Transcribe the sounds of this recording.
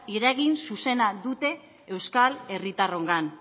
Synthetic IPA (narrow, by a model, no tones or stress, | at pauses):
iɾaɣinsuse̞naðut̪e̞ | ewskale̞rit̪aro̞ŋɡan